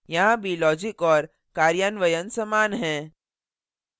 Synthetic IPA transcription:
jɐɦãbʱilɔːd͡ʒɪkɔːɾ | kaːɾjaːnʋəjənsɐmaːnɦɛ̃ː

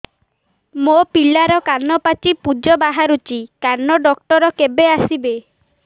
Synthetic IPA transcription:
mopiɭaɾɔkanɔpat͡ʃipud͡ʒɔbaɦaɾut͡ʃikaɾnɔɖɔkʈɔɾɔkebeasibe

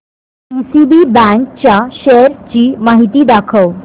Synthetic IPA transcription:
isibibæ̃ŋk̚t͡ɕjaɕeɾt͡ɕiːmaɦit̪iːd̪akʰəʋ

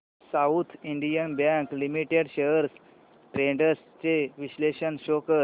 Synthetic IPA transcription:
saut̪ʰiɳɖijənbjɛ̃ŋklimiʈeɽɕeəɾs | ʈɾeɳɖəs | t͡seʋiɕleɕənɕokə

